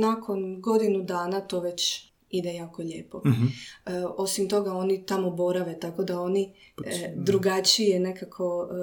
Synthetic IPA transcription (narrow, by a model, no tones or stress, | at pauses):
nakʰo̞nɡo̞d̪inud̪aːnat̪o̞ʋe̞t͡ɕ | id̪ejaːkoʎeːpo̞ | o̞simt̪o̞ɡao̞nit̪amo̞bo̞ɾaʋe̞t̪ako̞d̪ao̞ni | d̪ɾuɡat͡ʃijene̞kakʰo̞